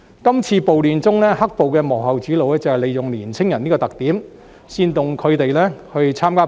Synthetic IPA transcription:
kɐ˥mt͡sʰiː˧po˨wliː˨nt͡sʊ˥ŋlɛː˥hɐ˥k̚po˨wkɛː˧mɔː˨˩ɦɐ˨wt͡siː˨˥lo˨˧wlɛː˥t͡sɐ˨˧ɛ˨wle˨jʊ˨ŋliː˨˩nt͡sʰɪ˥ŋjɐ˨˩niː˥kɔː˧t̪ɐ˨k̚t̪iː˨˥m | siː˧nt̪ʊ˨ŋkʰɵ˨˧ɥt̪e˨jlɛː˥hɵ˧ɥt͡sʰaː˥mkaː˥

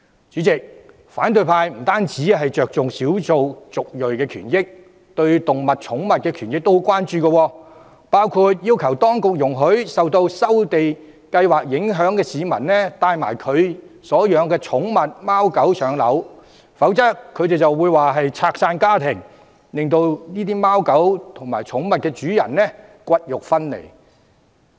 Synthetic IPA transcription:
t͡syː˨˥t͡sɪ˨k̚ | faː˨˥nt̪ɵ˨˧ɥpʰaː˧jm̩˨˩t̪aː˥nt͡siː˨˥ɦɐ˨jt͡ʃœː˨k̚t͡sʊ˨ŋsiː˨˥wt͡so˨wt͡sʊ˨k̚lɵ˨ɥkɛː˧kʰyː˨˩njɪ˥k̚ | t̪ɵ˧ɥt̪ʊ˨ŋmɐ˨t̚t͡ʃʰʊ˨˥ŋmɐ˨t̚kɛː˧kʰyː˨˩njɪ˥k̚t̪o˥wkʷaː˥nt͡ʃyː˨˧kə˧wɔː˧ | paː˥wkʰu˧t̚jiː˥wkʰɐ˨˩wt̪ɔː˥ŋkʊ˨k̚jʊ˨˩ŋɦɵ˨˥ɥsɐ˨wt̪o˧wsɐ˥wt̪e˨j | kɐ˧jwaː˨˩k̚jɪ˨˥ŋɦœː˨˥ŋkɛː˧siː˨˧mɐ̰˨˩nnɛː˥t̪aː˧jma̰ː˨˩jkʰɵ˨˧ɥsɔː˨˥jœː˨˧ŋkɛː˧t͡sʰʊ˨˥ŋmɐ˨t̚maː˥wkɐ˨˥wsʰœː˨˧ŋlɐ̰˨˥w | fɐ˨˥wt͡sɐ˥tʰːɵ˨˧ɥt̪e˨jt͡sɐ˨wːuː˨˧jwaː˨ɦɐ˨jt͡sʰaː˧k̚saː˧nkaː˥t̪ʰɪ˨˩ŋ | lɪ˨ŋt̪o˧wniː˥t̪iː˥maː˥wkɐ˨˥wt̪ʰʊ˨˩ŋma̰ː˨˩jt͡sʰʊ˨˥ŋmɐ˨t̚kɛː˧t͡ʃyː˨˥jɐ̰˨˩nnɛː˥kʷɐ˥t̚jʊ˨k̚fɐ˥nlḛ˨˩j

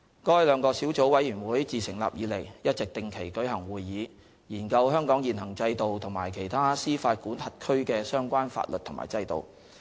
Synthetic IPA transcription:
kɔː˥jlœː˨˧ŋkɔː˧siː˨˥wt͡so˨˥wɐ˨˥jyː˨˩nwuː˨˥jt͡siː˨˩sɪ˨˩ŋla̰ː˨p̚jiː˨˧le˨˩jjɐ˥t̚t͡sɪ˨˩k̚t̪ɪ˨ŋkʰe˨˩jkɵ˨˥hɐ˨˩ŋwuː˨jːiː˨˧ | jiː˨˩nkɐ˧wɦœː˥ŋkɔː˨˥ŋjiː˨˩nhɐ˨˩ŋt͡sɐ˧jt̪o˨wt̪ʰʊ˨˩ŋmaː˨˩jkʰe˨˩jt̪ʰaː˥siː˥faː˧t̚kuː˨˥nhɐ˨t̚kʰɵ˥ɥkɛː˧sœː˥ŋkʷaː˥nfa̰ː˧t̚lɵ˨t̪ʰʊ˨ŋma̰ː˨˩jt͡sɐ˧jt̪o̰˨w

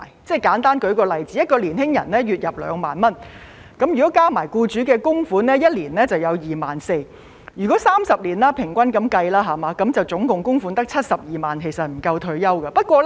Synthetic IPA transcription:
jt͡sɛː˥˩jkaː˨˥nt̪aː˥nkɵ˨˧˥ɥkɔː˧lɐ˨jt͡siː˨˥jɐ˥t̚kɔː˧liː˨˩nhɪ˥ŋjɐ̰˨˩nnɛː˥jyː˨t̚jɐ˨p̚lœ̰ː˨˧ŋma̰ː˨nmɐ˥n | kɐ˨˥mjyː˨˩kɔ˨˥kaː˥maː˨˩jkuː˧t͡ʃyː˨˥kɛː˧kʊ˥ŋfuː˨˥nlɛː˥jɐ˥t̚liː˨˩nnɛ˥t͡sɐ˨wjɐ˨˧wjiː˨ma̰ː˨nse˧j | jyː˨˩kɔ˨˥saː˥msɐ˨p̚liː˨˩nlaː˥pʰɪ˨˩ŋkʷɐ˥nkɐ˨˥mkɐ˧jlaː˥ɦaː˨˩maː˨˧˥kɐ˨˥mt͡sɐ˨wt͡sʊ˨˥ŋkʊ˨ŋkʊ˥ŋfuː˨˥nt̪ɐ˥k̚t͡sʰɐ˥t̚sɐ˨p̚jiː˨˩maː˨nkʰe˨˩jsɐ˨t̚m̩˨˩kɐ˧wt̪ʰɵ˧ɥjɐ˥wkɐ˧pɐ˥t̚kʷɔː˧l

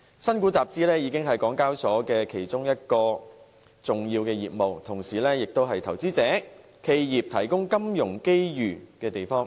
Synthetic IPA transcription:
sɐ˥nku˨˥t͡saː˨p̚t͡siː˥lɛː˥jiː˨˧˥kɪ˥ŋɦɐ˨jkɔː˨˥ŋkaː˥wsɔː˨˥kɛː˧kʰe˨˩jt͡sʊ˥ŋjɐ˥t̚kɔː˧ | t͡sʊ˨ŋjiː˧wkɛː˧jiː˨p̚mo˨wt̪ʰʊ˨˩ŋsiː˨lɛː˥jɪ˨k̚t̪o˥wɦɐ˨jt̪ʰɐ˨˩wt͡siː˥t͡sɛː˨˥ | kʰe˧jjiː˨p̚t̪ʰɐ˨˩jkʊ˥ŋkɐ˥mjʊ˨˩ŋke˥jjyː˨˩kɛː˧t̪e˨˩jfɔː˥ŋ

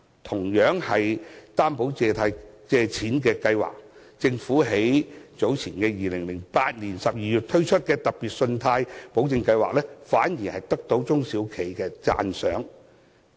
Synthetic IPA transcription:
t̪ʰʊ˨˩ŋjœː˨˥ŋhɐ˨jt̪aː˥mpo˨˥wt͡sɛː˧t̪ʰaː˧jt͡sɛː˨˧t͡sʰiː˨˥nkɛː˧kɐ˧jwa̰ː˨˩k̚ | t͡sɪ˧ŋfuː˨˥ɦe˨˥jt͡so˨˥wt͡sʰiː˨˩nkɛː˧jiː˨lɪ˨˩ŋlɪ˨˩ŋpaː˧t̚ni˨˩nsɐ˨p̚jiː˨jyː˨˩t̚t̪ʰɵ˥ɥt͡ʃʰɵ˥t̚kɛː˧t̪ɐ˨k̚piː˨t̚sɵ˧nt̪ʰaː˧jpo˨˥wt͡sɪ˧ŋkɐ˧jwa̰ː˨k̚lɛː˥faː˨˥njiː˨˩hɐ˨jt̪ɐ˥k̚t̪o˨˥wt͡sʊ˥ŋsiː˨˥wkʰe˨˩jkɛː˧t͡sa̰ː˧nsœː˨˥ŋ

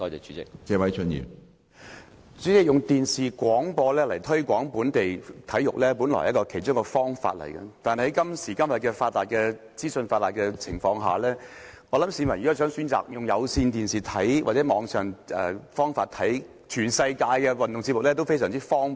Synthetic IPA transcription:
tɔː˧jt͡sɛ˨˩t͡ʃyː˨˥t͡sɪ̰˧k̚t͡sɛː˧wɐ˨˥jt͡ʃʰɵ˨˥njḭː˨˩p | t͡ʃyː˨˥t͡sɪ˥k̚jʊ˨ŋt̪iː˨nsiː˨kʷwɔː˨˥ŋpɔː˧lɛː˥lɐ˨˩jt̪ʰɵ˥ɥkʷɔː˨˥ŋpuː˨˥nt̪e˨jt̪ʰɐ˨˥jʊ˨k̚lɛː˥pu˨˥nlɔ̰˨˩˨jɐ˥t̚kɔː˧kʰe˨˩jt͡ʃʊ˥ŋkɛ˧fɔː˥ŋfa̰ː˧t̚lɐ̰˨˩jkɐ̰˧t̪aː˨nhɐ˨˥jkɐ˥msiː˨˩kɐ˥mjɐ˨t̚kɛ˧faː˧t̚laː˨˩t̚kɛ˧ | t͡siː˥sə˧nfaː˧t̚laː˨t̚kɛ˧t͡sʰɪ˨˩ŋfɔː˧ŋɦa̰ː˨lɛː˥ŋɔː˨˧lɐ˨˥msiː˨˧˥mɐ˨˩jyː˨kaː˥sœː˨˥ŋsyː˨˥nt͡sa̰ː˨k̚jʊ˨ŋjɐ˨˧wsiː˧nt̪iː˨nsiː˨˩t̪ʰɐ˨˥jwʔaː˨t̚t͡sɛː˨˥mɔː˨˧ŋsœː˨ŋɛ̰˨fɔː˥ŋfaː˧t̚t̪ʰɐ˨˥j | t͡ʃʰyː˨˩nsɐ˧jkaː˧jkɛ˧wɐ˨˩nt̪ʊ˨ŋt͡siː˧t̚mʊ˨k̚lɛː˥t̪o˥wfe˥js̬œː˨˩ŋt͡siː˥fɔː˥ŋ

